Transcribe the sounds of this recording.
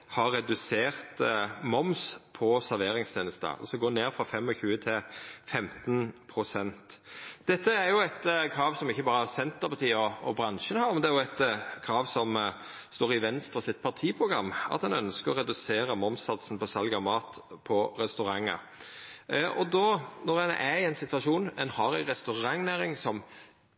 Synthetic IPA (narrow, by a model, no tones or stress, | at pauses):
hɑɾːɛd̪ʉseːɾt̪mɔmspʰɔsæɾʋeːɾɪŋst̪ʰeːnəst̪ə̰ɔ̰sɔɡoːneːɾfɾɑfɛmːɔçʉːət̪ʰɪlfɛmt̪npʰɾʊsɛnt̪d̪̥ɛt̪ːəæɾjʊæt̪kʰɾɑːʋsɔmɪçːəbɑːɾəsɛnt̪əpɑt̪ʰiːɔɔbɾɑnʃənhɑːɾmɛnd̪ɛæɾjʊæt̪kʰɾɑːʋsɔm | st̪oːɾɪʋɛnst̪ɾəsɪt̪̚ːpʰɑʁt̪ʰiːpʰʁʊɡɾɑ̰mːɑ̰t̪hɑnœnskəɾɔɾɛd̪ʉseːɾəmɔmsɑt̪sn̩pʰɔsɑlɡɑmɑːt̪pʰɔɾɛst̪ʉɾɑŋːə̰ | ʔɔd̪onɔɾɛnæɪɛɪnsɪt̪ʋɑʂuːnɛnhɑɾæɪɾɛst̪ʉʁɑŋnæːɾɪŋsɔm